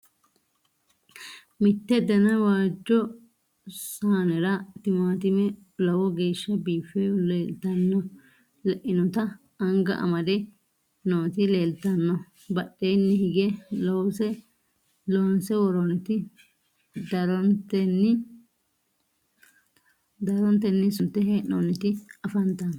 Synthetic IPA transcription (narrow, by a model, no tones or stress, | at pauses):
mɪt̪ːɛd̪ɛnɐwaːd͡ʒːɔ | saːnɛɾɐt̪ɪmaːt̪ɪmɛ | lɐwɔɡeːʃːɐbiːfɛleːlt̪ɐnːɔ | lɛʔɪnɔt̪ɐ | ɐŋɡɐ̰ʔɐ̰mɐd̪ɛ | noːt̪ɪleːlt̪ːɐnːɔ | bɐɗːejnːɪhɪɡɛlowsɛ | loːnsɛwɔɾɔnt̪ɪ | d̪ɐɾɔnt̪ɛnːɪ | d̪ɐɾɔnt̪ːɛnːɪsʊnt̪ːɛɦɛnoːnːɪt̪ɪɐfɐnt̪ɐn